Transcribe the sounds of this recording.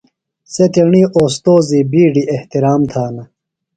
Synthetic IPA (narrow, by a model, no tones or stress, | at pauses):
set̪iɳiːʔoːst̪oːzibiːɖiʔeht̪iɾaːmt̪ʰaːnɐ